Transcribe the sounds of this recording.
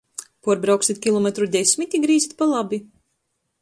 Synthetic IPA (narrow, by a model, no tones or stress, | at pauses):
puɔɾbɾawksit̪̚ʲkʲilˠɔmɛt̪ɾud̪esʲmʲit̪ʲiɡɾiːzit̪̚palˠabi